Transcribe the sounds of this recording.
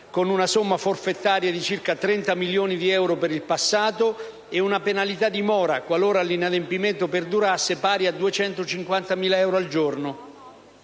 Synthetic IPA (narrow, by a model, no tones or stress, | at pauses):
konunasomːaforfet̪ːaːɾjad̪it͡ʃirkat̪ɾɛnt̪amiljoːnid̪iɛwɾopeɾilpasːaːt̪o | ɪunapenalit̪ad̪imɔːɾakwaloːɾalːinad̪empiment̪ʊperd̪uɾasːɪpaːɾiad̪ːuet͡ʃɛnt̪ʊt͡ʃiŋkwant̪amiːlaɛwɾoald͡ʒornʊ